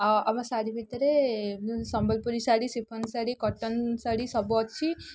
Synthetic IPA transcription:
amãsaɽibʱit̪ɾe | sɔmbəlpuɾisaɽisipʰənsaɽikɔʈənsaɽisɔbɔt̪t͡ʃʰi

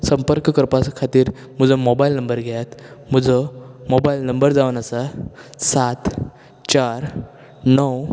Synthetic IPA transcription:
səmpəɾkəkəɾpaskʰat̪iːɾ | m̤əd͡zəmobailnəmbəɾɡʱajat̪m̤əd͡zəmobailnəmbəɾd͡zaʋənasasat̪ | t͡ɕaɾ | nəw

